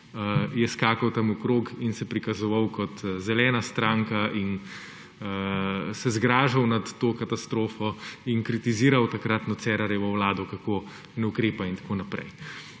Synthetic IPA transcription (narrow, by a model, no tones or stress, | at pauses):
jɛskaːkɐwt̪amukɾoːkinsɛpɾikɐzɔʋawkɔt̪zɛlɛːnast̪ɾaːŋkaʔin | əsɛzɡɾaːʒɐwnat̪ːoːkat̪ast̪ɾoːfɔinkɾit̪iziːɾɐwt̪akɾat̪nɔt̪sɛːɾaɾjɛʋɔwlaːd̪ɔkakoː | nɛukɾeːpaint̪ḁkoːnapɾɛ̰j